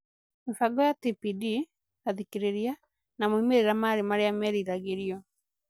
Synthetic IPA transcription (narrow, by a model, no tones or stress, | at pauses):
mefaɡɔjatipidi | aðikeɾeɾia | namoimeɾeɾamaːɾemaɾeamɛɾiɾaɣeɾiɔ